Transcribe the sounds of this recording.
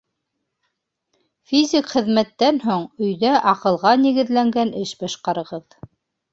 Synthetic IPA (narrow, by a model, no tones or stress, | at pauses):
fʲizʲɪkχɘ̆ðmæt̪ːænɦoɴɵ̆jðæʔɑqɤ̆lˠʁɑnɘ̆ɡɘ̆ðlæŋɡænɘʃbɑʃqɑɾɤ̆ʁɤð